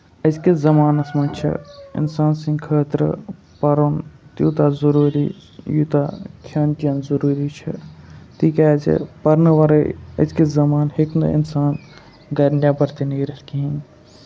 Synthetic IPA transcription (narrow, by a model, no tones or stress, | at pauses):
əd͡ʒkezɐmaːnɐsmɐ̃nt͡ʃʰḭɪ̰nsaːnsĩŋɡkʰəːt̪ɾə̰ | pɐɾont̪juːt̪azɐɾuːɾḭː | juːt̪akʰjaːnkiɐnzɐɾuːɾiːt͡ʃʰḭt̪iːkat͡ʃḭpɐɾnəʋɐɾəɐ̰zkizɐmaːnheknɐ̰ḭnsaːn | ɡɐɾnjaːbɐɾt̪iniːɾɐlkiɦĩn